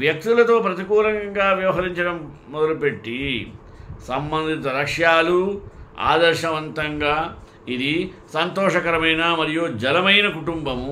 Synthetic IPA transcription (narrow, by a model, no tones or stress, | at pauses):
ʋjɐk̚t̪ulɐt̪o̞ːpɾɐt̪ikuːlɐŋɡaːʋjɐʋɐɦɐɾiɲt͡ʃɐɽɐmː | ɔd̪ɐlupe̞ʈːi | sɐmbɐnd̪ʱit̪ɐɾɐʂjaːlua̰ːd̪ɐɾʃɐʋɐnt̪ɐŋɡaː | id̪isɐnt̪ɔːʂɐkɐɾɐmɐjnɐmɐɾijod͡ʒɐlɐmɐjnɐkuʈumbɐm